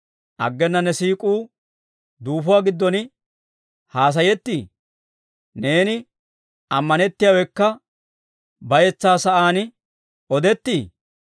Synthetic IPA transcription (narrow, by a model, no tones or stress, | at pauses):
ʔɐ̰ɡːɛnːɐnːɛsiːkʼuː | d̪uːfʊwaːɡɪd̪ːɔnɪ | haːs̬ɐjɛt̪ːiː | ne̞ːnɪ | ɐmːɐnɛt̪ːɪjaːwɛkːɐ | bɐjɛt͡sːaːsɐʔaːn | ɔd̪ɛt̪ːiː